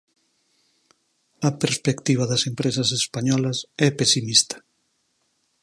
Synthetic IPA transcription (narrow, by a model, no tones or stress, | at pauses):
ɐpeɾspekt̪iβ̞ɐðɐsempɾesɐsespaɲɔlɐsɛpesimist̪ɐ̥